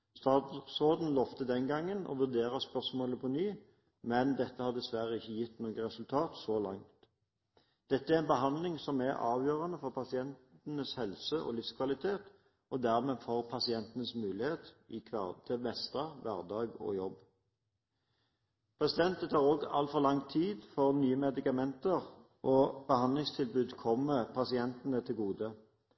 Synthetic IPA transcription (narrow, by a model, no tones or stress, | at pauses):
st̪ɑːsoːd̪n̩lɔft̪əd̪ɛnɡɑŋːənɔ̰ʋʉʁd̪eːʁəspœʁsmoːləpʰɔnyː | mɛnd̪ɛt̪ːəhɑːd̪ɛsʋæʁəɪçːəjɪt̪ːnoːɡəʁɛsʉlt̪ʰɑːt̪sɔlɑŋt̪ | d̪̥ɛt̪ːəæʁɛnbəɦɑnd̪lɪŋsɔmæʁɑ̰ːʋjøːʁɑnəfɔʁpʰɑsɪɛnt̪n̩əshɛlsəʔɔ̰ːlɪfskʰʋɑlɪt̪ʰeːt̪ | ʔɔd̪æːʁmeːfoːʁpʰɑsɪɛnt̪ənəsmʉːlɪheːt̪ɪkʰʋæ̰ʁt̪ʰɛmɛst̪ɑʋæʁd̪ɑːɡɔ̰ːjɔb | pʰʁɛsɪd̪ɛnt̪ət̪ʰɑːʁoːɡɑ̰lt̪fɔʁlɑŋt̪ʰiːd̪fɔʁnyːəmɛd̪ɪkɑmɛnt̪əʁ | ʔoːb̥əhɑnd̪lɪŋst̪ʰɪlbʉːd̪kʰɔmːəpʰɑsɪɛnt̪ənət̪ʰɪlɡuːd̪ə